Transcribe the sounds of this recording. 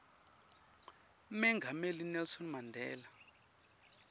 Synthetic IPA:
mɛŋɡʱamelinɛlsɔnmandʱɛːla

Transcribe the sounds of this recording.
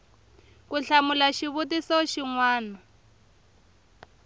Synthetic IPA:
kuɬamulaʃiβutisɔʃiŋwaːna

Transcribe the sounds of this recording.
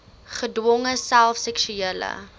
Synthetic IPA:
χədwɔŋəsælˠfsɛksyiələ̰

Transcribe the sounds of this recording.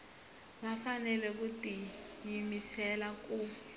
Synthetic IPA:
ɓafanɛlɛk̬utʼijimisɛlak̬u

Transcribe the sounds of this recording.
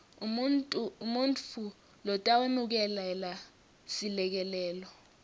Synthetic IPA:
umuntu | lɔtʼawenuk̬ɛlɛla | silɛk̬ɛlɛːlɔ

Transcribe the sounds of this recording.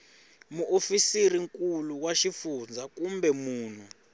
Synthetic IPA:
muʔofisiriŋkʼuluwaʃifund͡zʱak̬ʼumbɛmuːn̤u

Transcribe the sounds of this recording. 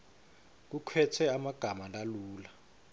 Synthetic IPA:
k̬ukʰwɛtʰɛamaɡ̥ʱamalaluːla

